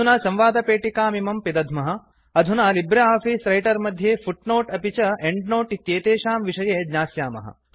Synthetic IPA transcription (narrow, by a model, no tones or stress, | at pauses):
unɐsɐ̃mʋaːd̪ɐpeːʈikaːmimɐmpid̪ɐd̪ʱmɐɦɐ | ɐd̪ʱunɐlibɾɐaːpʰiːsɾɐjʈɐɾmɐd̪ʱjeːfʰuʈnoːʈɐpit͡ʃɐeɳɖnoːʈit̪jeːt̪eːʃaːmʋiʂɐjeːd͡ʒɲaːsjaːmɐ̰ɦɐ̰